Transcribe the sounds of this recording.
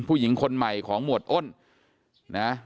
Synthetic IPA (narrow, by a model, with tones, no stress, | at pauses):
pʰuː˥˩ji˩˦ŋkʰo˧nma˨˩jkʰɔː˩˦ŋmu˨˩ət̪̚ʔo˥˩n | na˦˥